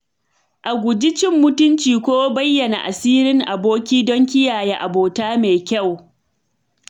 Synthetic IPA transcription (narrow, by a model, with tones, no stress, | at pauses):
ʔa˨ɡʷʊ˨d͡ʒɪ˦t͡ʃɪ˦mːʊ˦tʊ˦nt͡ʃiː˨kʷoː˦bɐ˦jːɐ˨na̰˨ʔa˨siː˦ɾɪ˦ŋʔa˨boː˦kʲiː˦dɔ˦ŋkʲɪ˦jaː˨jeː˦ʔa˨boː˨taː˦meː˨kʲa˦˨w